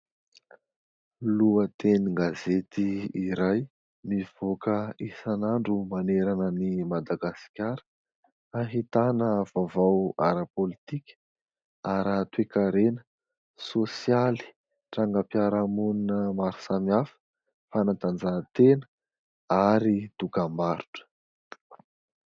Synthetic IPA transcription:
luət̪eniŋɡazet̪iiɾaj | miv̥okəisanaɳɖ͡ʐumaneɾanənimad̪aɡaskʲaɾə̥ | aɦit̪anəv̥avawaɾəpolit̪ikʲə̥ | aɾət̪wekaɾenə̥ | sosjali̥ | ʈ͡ʂaŋɡəpjaɾamuninəmaɾu̥samafə̥ | fanat̪and͡zat̪enə̥ | aɾid̪̥ukambaɾu̥ʈ͡ʂə̥

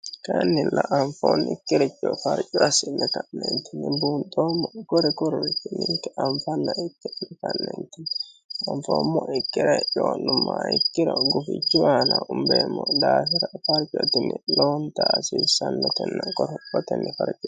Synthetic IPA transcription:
kɐnːɪlɐʔɐɱfoːnɪkːɪɾɛt͡ʃʼːɔfɐɾt͡ʃʼːɔɐsɪnːɛkɐnːɛnt̪ɪnːɪbunt̪ʼoːmːɔɡɔɾɛkɔɾɔɾɪt͡ʃːɪnːɪŋkːɛʔɐmfɐnːɐɪkːɪnɛkɐnːɛ̰nt̪ɪnɐɱfoːmːɔɪkːɪɾɛjoːnːʊmːaɪkːɪɾɔɡʊfɪ̰t͡ʃːɪwaːnɐʊmbeːmːɔd̪aːfɪɾɐfɐɾt͡ʃʼːɔt̪ɪnːɪloːnt̪aːsiːsɐnːɔt̪ɛnːɔkʼɔɾɔt̪ɛnːɛfɐɾt͡ʃʼɔ

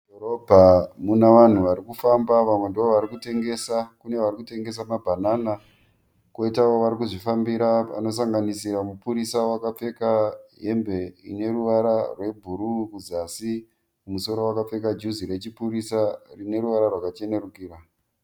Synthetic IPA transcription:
dʱoɾobʱamunaʋan̤uʋaɾikufambaʋamwe̞ndiʋoʋaɾikute̞ŋɡe̞sakune̞ʋarikute̞ŋɡe̞s̬amabʱanana | ko̞itawo̞ʋaɾikuʐifambiɾaa̰no̞s̬aŋɡanisiɾamupuɾisawakap͡fe̞kaɦe̞mbe̞ḭne̞ɾuʋaɾarwe̞bʱuɾurukuzasi | mumuso̞ɾo̞wakap͡fe̞kad͡ʒuziɾe̞t͡ʃipuɾisarine̞ɾuʋaɾarwakat͡ʃe̞ne̞rukiːɾa

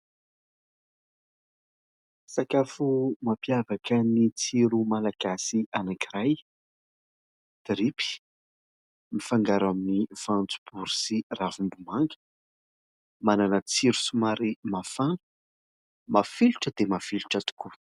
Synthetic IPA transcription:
sakafumapjavakənit͡siɾumalaɡ̥asiʔanakiɾaj | d̪̥ɾipi̥ | mifaŋɡaɾaminiv̥ant͡su̥b̥uɾusiravumbumaŋɡə̥ | mananət͡siɾusumaɾimafa | mafiluʈ͡ʂəd̪̥emafiluʈ͡ʂat̪u̥ku

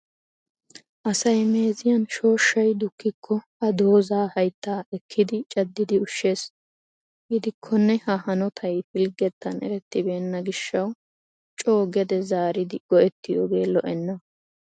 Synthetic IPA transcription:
ʔɐsɐjme̞ːzɪjɐnʃo̞ːʃːɐjd̪ʊkːɪkʰːɔhɐd̪o̞ːzaːhɐjt̪ːaːɛkʰːɪd̪ɪt͡ʃʼɐd̪ːɪd̪ɪʊʃːe̞ːs | ɡɪd̪ɪkʰːɔnːɛhɐhɐnɔt̪ʰɐjfɪlɡɛt̪ːɐnɛ̰ɾɛt̪ːɪbe̞ːnːɐɡɪʃːɐw | t͡ʃʼo̞ːɡɛd̪ɛzaːɾɪd̪ɪɡ̥ɔʔɛt̪ːɪjoːɡe̞ːlɔ̰ʔɛnːɐ

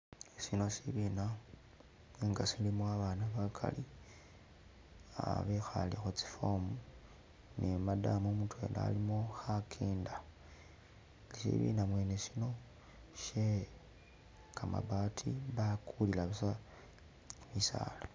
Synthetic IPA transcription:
sino̞siβina | eŋɡasilimoaβaːnaβakʰa̰li | a̰βexa̰lixot͡si̥fomu | nemadamomutwe̞̰ːnda̰ːlimo̞xakʰeːnda | sḭβḭːnamwe̞ːnesino̞ | ʃe | kʰama̰βaːtʰiβakʰulilaβisa | misa̰ːla

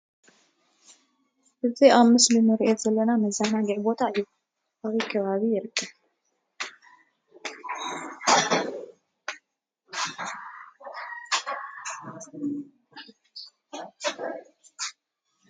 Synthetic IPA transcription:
ʔɨt̪iʔamɨslɨmɨɾiʔet̪z̥ɐlːɐnamɐzanaɡiʕbot̪ʰaɨju | ʔaβikʰɐβaβijɪɾɨkʰːɐβ

